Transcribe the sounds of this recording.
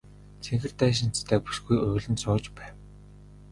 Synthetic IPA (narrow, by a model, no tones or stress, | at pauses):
t͡sʰeŋxɘ̆rt̪æːʃ̬ɪ̆nt͡st̪ʰæːpu̥ʃɡujʊːɮɘ̆nsʊːt͡ɕpæːw